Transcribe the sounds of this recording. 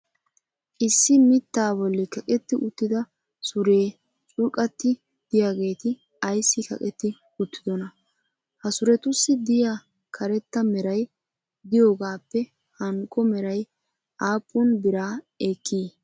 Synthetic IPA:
ʔɪsːɪmɪt̪ːaːbɔlːɪkɐkʼɛt̪ːɪʔʊt̪ːɪd̪ɐ | sʊɾe̞ː | t͡sʼʊɾkʼɐt̪ːɪ | d̪̥ɪjaːɡe̞ːt̪ɪ | ɐjsːɪkɐ̰kʼɛt̪ːɪ | ʊt̪ːɪd̪ɔnɐ | hɐsʊɾɛt̪ʊsːɪd̪ɪjaː | kʰɐɾɛt̪ːɐmɛɾɐj | d̪ɪjo̞ːɡaːpːɛ | hɐŋkʼːɔmɛɾɐj | ʔaːpʼːʊnbɪɾaː | eːkːiː

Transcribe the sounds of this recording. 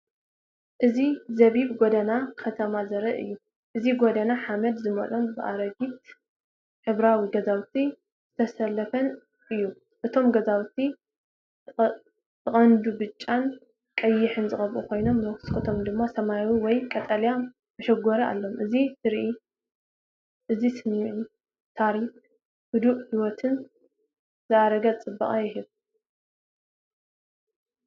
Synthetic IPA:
ʔɨzizɐβibɡod̪ɐnakʰɐt̪ʰɐmazɐɾɐʔɨ̰jːu | ʔɨziɡod̪ɐnaħamɐd̪zɨmɐ̰lʼonbɨʔa̰ɾɐɡit̪̚ | ħɨβɾawiɡɐzawt̪ʰi | z̥ɨt̪ʰɐsɐlːɐfɐn | ʔɨjːu | ʔɨt̪ʰo̞mɡɐzawt̪ʰi | ɨχʼɐnd̪ubɨt͡ʃʼːan | kʼɐjːɪħɨnzɨxʼɐβʔukʰo̞jno̞mnwkskʰɐt̪ʰo̞md̪ɨmːasɐmajwiwɔjkʼɐt̪ʼɐlja | mɐʃɐɡɔɾɐʔa̰lːo̞mʔɨzitɨɾʔi | ʔɨzisɨmːiʕu | t̪ʰaɾif | hɨd̪uʔħiwɔt̪ʰɨn | z̥ɨʔaɾɐɡɐt͡sʼɨbːɐʔʼɐjɪɦɨβ

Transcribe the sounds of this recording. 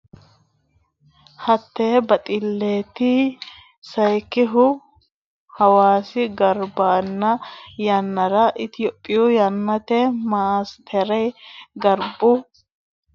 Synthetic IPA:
hɐt̪ːeːbɐt̪ʼɪlːeːt̪i | sɐjkːɪɦʊ | hɐwaːsɪɡɐɾbaːnːɐjɐnːɐɾɐʔɪt̪ɪjɔpʼːɪjujɐnːɐt̪ɛmaːst̪ʰɛɾɛjɡɐɾbʊ

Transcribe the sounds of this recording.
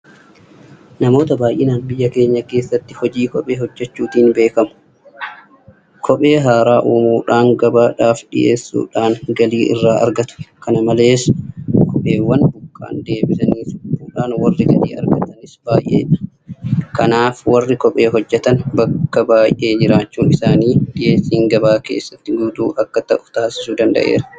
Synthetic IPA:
nɐmo̞ːt̪ɐbaːjʔɪnaːnbɪjːɐke̞ːɲːɐke̞ːsːɐt̪ːɪhɔd͡ʒiːkɔpʼe̞ːhɔd͡ʒːɛt͡ʃːuːt̪iːnbe̞ːkɐmʊ̥ | kʰɔpʼe̞ːɦaːɾaːʔuːmuːᶑaːŋɡɐbaːᶑaːfᶑɪ̰ʔeːsːṵːᶑaːŋɡɐliːʔɪ̰rːaːʔɐ̰ɾɡɐt̪ʊ̥kɐnɐmɐle̞ːskʰɔpʼe̞ːwːɐnbʊkːa̰ːnd̪e̞ːbɪsɐniːsuːᶑaːnwɐrːɪɡɐlḭːɐ̰ɾɡɐt̪ɐnɪsbaːjʔḛːᶑɐ̥ | kɐnaːfwɐrːɪkɔpʼe̞ːɦɔd͡ʒːɛt̪ɐnbɐkːɐbaːjʔe̞ːd͡ʒɪɾaːt͡ʃːuːnɪsaːniːᶑɪje̞ːsːiːŋɡɐbaːke̞̰ːsːɐt̪ːɪɡuːd̪uːʔɐkːɐt̪ɐʔʊ̥t̪aːsɪsuːd̪ɐnd̪ɐ̰ʔḛːɾɐ̥

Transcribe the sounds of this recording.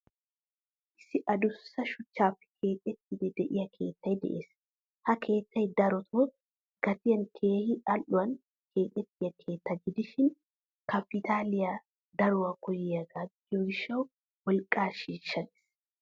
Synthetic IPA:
ʔɪsɪʔɐd̪ʊsːɐʃʊt͡ʃːaːfːɪ̥kʰe̞ːkʼɛt̪ːɪd̪ɛd̪ɛʔɪjɐkʰe̞ːt̪ʰːɐjd̪ɛ̰ʔeːs | hɐkʰe̞ːt̪ːɐjd̪ɐɾɔt̪ʰo | ɡ̥ɐt̪ɪjɐnkʰeːhɪɐlʔʊwɐn | kʰe̞ːkʼɛt̪ːɪjɐkʰe̞ːt̪ːɐɡɪd̪ɪʃɪn | kɐpɪt̪ʰaːlɪjɐ | d̪ɐɾʊwɐkɔjɪjɐɡaːɡ | oɡɪʃːɐw | wɔlkʼːaːʃiːʃːɐnɪ̥s

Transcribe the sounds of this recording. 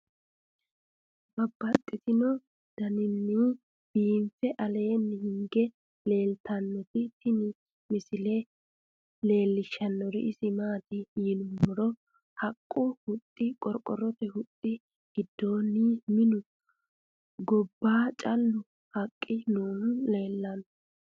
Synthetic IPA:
bɐbːɐt̪ʼːɪt̪ɪnɔ | d̪̥ɐnɪnːɪ | b̥iːnfɛʔɐle̞ːnːɪhɪŋɡɛ | le̞ːlt̪ɐnːɛt̪ɪt̪ɪnɪ | mɪsɪlɛ | le̞ːlːɪʃːɐnːɔɾɪ̰ʔɪsɪmaːt̪ɪhiːnʊmbɔɾɔ | hɐkʼːʊhʊt̪ʼːɪkʼɔɾkʼɔɾɔt̪ɛhʊt̪ʼːɪ | ɡ̥ɪd̪ːoːnːimɪnʊ | ɡɔbːaːt͡ʃʼɐlːʊ | hɐkʼːɪnuːnʊle̞ːlːɐnɔ

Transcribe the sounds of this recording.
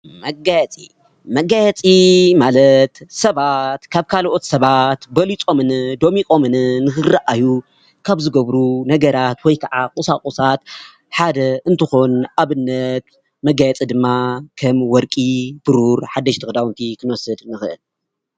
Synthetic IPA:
mɐɡajɛt͡sʼi | mɐɡajɛt͡sʼimalɐt̪sɐβat̪kʰaβkʰalʔo̞t̪sɐβat̪bɐlit͡sʼo̞mɨnɨd̪o̞mikʼo̞mɨnɨnɨxɨraʔaju | kʰaβzɨɡɐβɾunɐɡɐɾat̪wɔjkʰaʕakʼusakʼusat̪ | ħad̪ɐʔɨnt̪ʰɨxo̞nʔaβɨnːɐt̪ | mɐɡajɛt͡sʼid̪ɨmːakʰɐmwɔɾkʼib̥ɨɾuɾħad̪ːɐʃt̪ʰɨxd̪awnt̪ʰikʰɨnwɔsɨd̪nɨxɨʔɨ̰l

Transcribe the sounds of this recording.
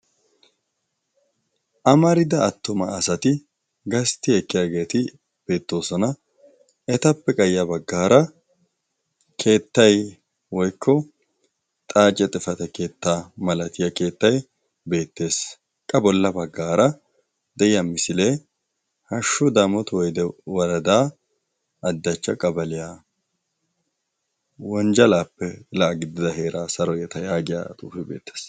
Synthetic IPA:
ʔɐmɐɾɪd̪ɐːt̪ːʊmɐːsɐt̪ɪ | ɡɐst̪ːɪɛkːɪjaːɡe̞ːt̪ɪ | b̥e̞ːt̪ːo̞ːsɔnɐ | ɛt̪ɐpːɛkʼɐjːɐbɐɡːaːɾɐ | kʰe̞ːt̪ːɐj | wɔjkʰːɔ | t̪ʼaːt͡ʃʼːɛt̪ʼɪfɐt̪ɐke̞ːt̪ːaːmɐlɐt̪ɪjɐke̞ːt̪ːɐj | be̞ːt̪ːe̞ːs | kʼɐbɔlːɐbɐɡːaːɾɐ | d̪ɛɪjɐmːɪsɪle̞ː | hɐʃːʊd̪aːmɔt̪wɔjd̪ɛwɐɾɐd̪aː | ɐd̪ːɐt͡ʃːɐkʼɐbɐlɪjaː | wɔnd͡ʒɐlaːpːɛlɐʔɐɡɪd̪ɪd̪ɐɦe̞ːɾaːsɐɾɔjɛt̪ɐjaːɡɪja̰ːt̪ʼuːfɪbḛːt̪ːe̥ːs

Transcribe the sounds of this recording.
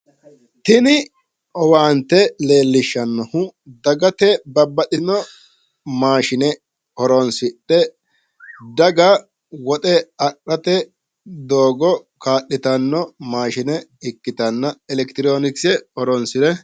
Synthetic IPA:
t̪ɪnɪ | ɔwaːnt̪ːɛle̞ːlːɪʃːɐnːɔhʊd̪ɐɡɐt̪ɛbɐbːɐtɪnɔ | maːʃɪnɛ | ɔɾɔnsɪɗːɛ | d̪ɐɡɐ | wɔt̪ʼɛɐkːɐt̪ɛ | d̪oːɡɔkaːʔːɪt̪ɐnːɔmaːʃɪnɛɪkːɪt̪ɐnːɐɛlɛkt̪ɪɾoːnɪksɛɔɾɔnsɪɾɛ

